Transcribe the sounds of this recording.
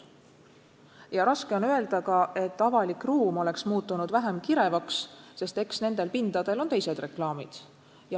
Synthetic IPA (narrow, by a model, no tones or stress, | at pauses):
jɑɾɑske̞o̞nøe̞ld̪ɑkɑʔe̞t̪ːˑɑvɑlikruːmo̞le̞ksmuːt̪ːˑunud̪væɦemkiɾe̞vɑksse̞st̪e̞ksne̞nd̪̥e̞lpind̪̥ɑd̪̥e̞lo̞nt̪e̞jse̞d̪re̞klɑːmid̪̥ | jɑ